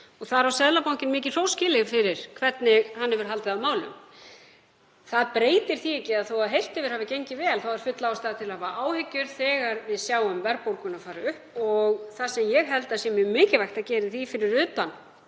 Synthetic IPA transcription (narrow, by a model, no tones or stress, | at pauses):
ɔɣθaðɾawsɛðlapawɲcɪnmɪːc̬ɪ̥r̥owscɪːlɪɣfɪɾɪɾ̥kʰvɛt̪nɪɣhanːɛvʏɾ̥ɦalt̪ɪðaðmaːwlʏ̰m | θaðpɾeːjt̪ɪɾ̥θiejcːɪaðθowaðɦejl̥t̪ɪvɪɾ̥haːvɪcejɲcɪvɛːlθawaɾ̥fʏt̪laast̪aːðt̪ʰɪlavaʔaːwhɪcːʏɾ̥θɛːɣaɾvɪðsjaːwʏmvɛɾpowlkʏnafaːɾaʏhpɔɣθasɛmjɛɣɦɛlt̪asjɛmɛmɪːcɪvajxt̪aðcɛːɾɪθifɪɾɪɾʏːt̪an